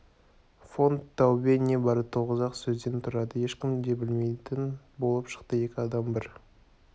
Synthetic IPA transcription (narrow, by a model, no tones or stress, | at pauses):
fo̞nt̪ʰːɑwbene̞bɑɾət̪ʰːoʁəzɑqsɵzd̪e̞nt̪ʰʊɾɑd̪əje̞ʃkʲɪmd̪e̞bɪlme̞jt̪ɪn | bo̞lˠəpʃə̥qt̪əje̞kʲɪɑd̪ɑmbɪɾ